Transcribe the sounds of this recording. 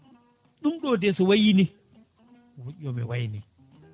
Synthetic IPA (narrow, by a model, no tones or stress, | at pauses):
ɗumɗɔdɛsɔwajini | wuʔɔmɛwajni